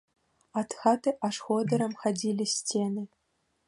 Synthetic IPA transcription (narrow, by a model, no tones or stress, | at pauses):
at̪xɑt̪ɨʔaʂxod̪ɤ̆ɾɤ̆mxadʲilʲisʲtʲenɨ